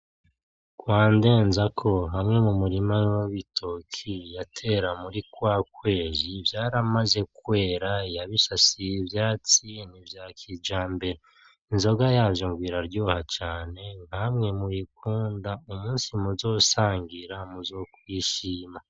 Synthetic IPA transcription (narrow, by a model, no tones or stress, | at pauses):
kwaːnde̞ːnzakʰo̞ɦamŋe̞mumuɾimawoβitʰokʰijatʰe̞ɾamuɾikwaːkwe̞ːzivjaːɾamaze̞kwe̞ːɾajaβisasivjaːt͡sinivjakʰid͡ʒaːmbe̞ɾe | inzo̞ɡajaːvjoŋɡwiːɾaɾɟoːhat͡ʃaːne̞ŋhamŋe̞mujikuːndaumuːnsimuzo̞ːsaːŋɡiɾamuzo̞kwiːʃiːma